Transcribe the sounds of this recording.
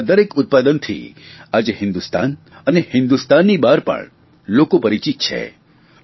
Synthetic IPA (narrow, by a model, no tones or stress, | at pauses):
d̪əɾekʊt̪̚pad̪ənt̪ʰḭad͡ʒehɪ̃nd̪ust̪a̰n | ənehɪ̃nd̪ust̪anːibaɾpə̰ɳ | lokopəɾit͡ʃit̪̚t͡ʃʰḛ